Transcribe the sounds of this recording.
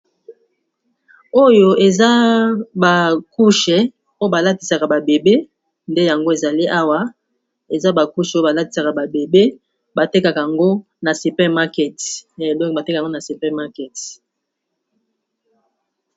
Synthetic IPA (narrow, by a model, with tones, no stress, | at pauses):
o˦jo˦ʔe˨za˦ba˨ku˦ʃɛ˨ | o˦o˦ba˨la˦ti˨sa˨ka˨ba˨be˨be˦ | nde˦ja˨ŋɡo˦e˨za˨li˦ʔa˦wa˦ | e˨za˦ba˨ku˦ʃo˦ba˨la˦ti̥˨sa˨ka˨ba˨be˨be˦ | ba˨te˦ka˨ka˨ja˨ŋɡo˦ | na˨si˨pɛ˦ma˦kɛ˨tdɔ̃˦kba˨tka˨ŋɡo˦na˨su˨pɛ˦ma˦kɛ˨t